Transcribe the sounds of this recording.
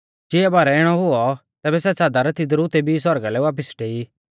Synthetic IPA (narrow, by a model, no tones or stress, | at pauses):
d͡ʒɪɛbaːɾɛɪɽ̃ɔɦʊɔt̪ɛːbɛsɛt͡saːd̪aɾɛt̪id̪ɾut̪ebisɔɾɡalɛʋaːp̬əsʈeːi